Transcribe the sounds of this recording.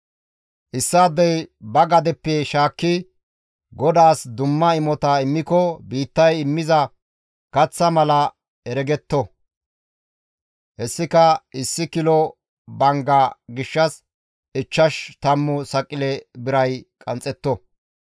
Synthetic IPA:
ʔɪsːaːd̪ːɛjbɐɡɐd̪ɛpːɛʃaːkːɪ | ɡɔd̪aːsd̪ʊmːɐɪmɔt̪ɐɪmːɪkɔbiːt̪ːɐjɪmːɪzɐ | kɐt͡sːɐmɐlɐ | ɛɾɛɡɛt̪ːɔ | hɛsːɪkɐɪsːɪkɪlɔ | bɐŋɡɐɡɪʃːɐs | ʔɪt͡ʃːɐʃt̪ɐmːʊsɐkʼːɪlɛbɪɾɐjkʼɐnt͡sʼːɛt̪ːɔ

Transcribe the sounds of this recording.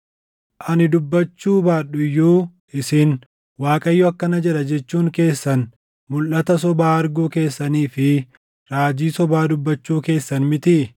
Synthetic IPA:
ʔɐnɪd̪ʊbːɐt͡ʃːuːbaːᶑʊjːuːʔɪsɪn | waːkʼɐjːʊɐkːɐnɐd͡ʒɛᶑɐd͡ʒɛt͡ʃːuːŋke̞ːsːɐn | mʊlʔːɐt̪ɐsɔbaːɐɾɡuːke̞ːsːɐniːfɪ | ɾaːd͡ʒiːsɔbaːd̪ʊbːɐt͡ʃːuːke̞ːsːɐnmɪt̪ɪ

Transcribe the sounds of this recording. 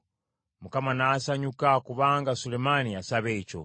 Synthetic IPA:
mukamanaːsaɲukakuβaːŋɡasulemaniasaβeco̰

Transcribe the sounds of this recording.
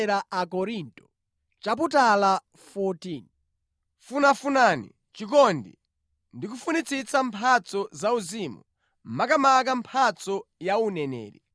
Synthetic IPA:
ɾaʔakɔɾintʼɔ | t͡ʃap̬utala | fɔtiːn | funafunaːnḭ | t͡ʃik̬ɔndḭ | ndikufunit͡sʰit͡sampʰat͡sɔzauzimu | makamak̬ampʰat͡sɔjaunɛnɛ̰ːɾḭ

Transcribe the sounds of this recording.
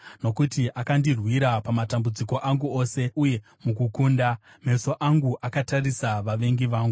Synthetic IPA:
no̞kutiʔakandirwiɾapamatambud͡ziko̞ʔaŋɡuo̞ːse̞ʔuje̞ | mukukuːnda | me̞so̞ʔaŋɡuʔakatarisaʋaʋe̞ŋɡiʋaːŋɡu

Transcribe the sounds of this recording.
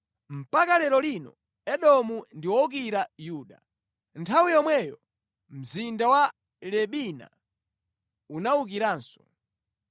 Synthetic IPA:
m̩pakalɛɾɔlinɔ̰ | ɛɗɔmundiwɔuk̬iɾajuːɗa̰ | ntʰawijɔmwɛjɔ | m̩zindawa | lɛɓina̰ | unauk̬iɾaːnsɔ̥

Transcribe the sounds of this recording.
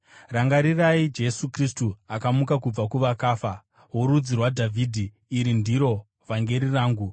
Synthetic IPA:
raŋɡaɾiraid͡ʒe̞sukristuakamukak̬ub͡vakuʋakaːfa | woɾud͡zirwadʱavʱiːdʱiː | ɾindiɾo̞ | ʋaŋɡe̞ɾiraːŋɡu

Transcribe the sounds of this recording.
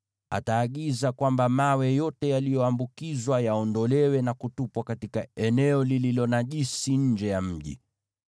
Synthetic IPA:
a̰taːɠizakwambamawɛjɔtɛjalijɔambukizwajaɔndɔlɛwɛnakutupwakatikaɛnɛɔlililɔnaʄisiɲ̩d͡ʒɛjam̩ʄḭ

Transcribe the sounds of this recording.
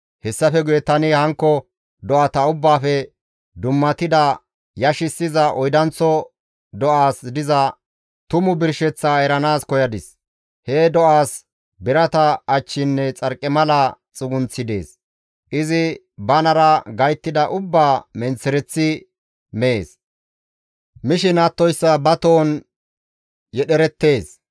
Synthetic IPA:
hɛsːɐfɛɡʊjɛt̪ːɐnɪhɐŋkːɔ | d̪ɔʔɐt̪ɐʊbːaːfɛ | d̪ʊmːɐt̪ɪd̪ɐ | jɐʃɪsːɪzɐʔɔjd̪ɐnt͡sːɔ | d̪ɔʔaːsd̪ɪzɐ | t̪ʊmʊbɪɾʃɛt͡sːaɛɾɐnaːskɔjɐd̪ɪs | hɛd̪ɔʔaːs | bɪɾɐt̪ɐːt͡ʃːɪnːɛt͡sʼɐɾkʼːɛmɐlɐt͡sʼʊɡʊnt͡sːɪd̪e̞̰ːs | ʔɪzɪ | bɐnɐɾɐɡɐjt̪ːɪd̪ɐʔʊbːaːmɛnt͡sːɛɾɛt͡sːɪ | mɛḛːs | mɪʃɪnaːt̪ːɔjsːɐbɐt̪oːn | jɛɗɛɾɛt̪ːe̞ːs

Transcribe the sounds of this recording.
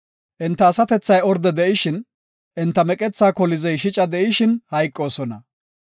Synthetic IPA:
ʔɪnt̪ːɐːsɐt̪ɛt͡sːɐjɔɾd̪ɛd̪ɛʔɪʃɪn | ʔɛnt̪ːɐmɛkʼɛt͡sːaːkɔlɪzɛjʃɪt͡ʃʼɐd̪ɛʔɪʃɪnhɐjkʼːo̞ːsɔnɐ

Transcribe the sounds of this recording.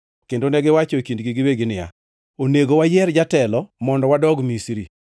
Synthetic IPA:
kendonɛɡɪwat͡ʃokindɡiɡɪweɡɪnɪa̰ | oneɡowajɛɾd͡ʒatɛlɔmɔndɔwadɔɡmisɾi

